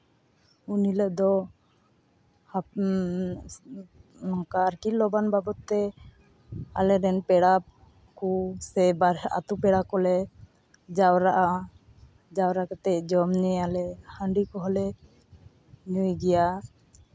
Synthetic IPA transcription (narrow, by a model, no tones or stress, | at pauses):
uniləʔd̪ɔ | ha | kaɾkilɔbanbabɔt̪ːɛ | a̰lɛɾɛnpɛɽa | kusɛbaɾa̰t̪upɛɽakɔlɛ | d͡ʒawɾaʔa | d͡ʒawɾakɔt̪ɛcd͡ʒɔmɲɛalɛhəɳɖikɔɦɔlɛ | ɲujɡɛja